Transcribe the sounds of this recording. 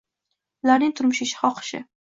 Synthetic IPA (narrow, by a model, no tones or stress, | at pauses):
ʊlaɾnɪŋt̪ʰʊɾmʊʃɪʃɪ̥hɒqʰɨ̥ʃɪ̰